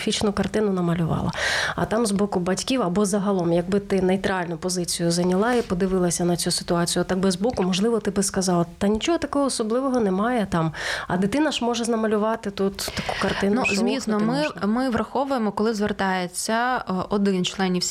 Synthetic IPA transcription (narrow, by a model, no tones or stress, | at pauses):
fʲit͡ʃnʊkɐrt̪ɪnʊnɐmɐlʲʊʋɑ̰lˠɐ̰ɐ̰t̪ɑmzbɔkʊbɐtʲkʲiwɐbɔzɐɦɐlˠɔmjɐɡ̚bɪt̪ɪnejt̪ɾɑlʲnʊpɔzɪt͡sʲijʊzɐnʲɐlˠɑipɔd̪ɪʋɪlˠɐsʲɐnɐt͡sʲusɪ̥t̪ʊɑt͡sʲijʊɔt̪ːɑɡ̚bɪzbɔkʊmɔʒlˠɪʋɔt̪ɪbɪskɐzɑlˠɐt̪ɐnʲit͡ʃɔɦɔt̪ɐkɔɦɔːsɔblˠɪʋɔɦɔnɛmɑjɛt̪ɑmɐ̰d̪ɪt̪ɪnɐʃmɔʒɛznɐmɐlʲʊʋɑt̪ɪt̪ut̪ːɐku̥kɐrt̪ɪnnuzmʲisnɔmɪmɪʋrɐxɔʋʊjemɔkɔlˠɪzʋert̪ɑjet͡sʲːɐɔd̪ɪnt͡ʃlˠɛnʲiwsʲ